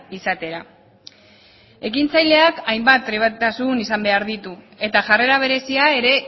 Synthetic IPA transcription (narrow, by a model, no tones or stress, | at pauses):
isat̪e̞ɾa | e̞kint͡sajle̞akajmbat̪̚pːɾiβat̪t̪asunisambe̞aɾðit̪u | e̞t̪aʝare̞ɾaβ̞e̞ɾe̞siae̞ɾe̞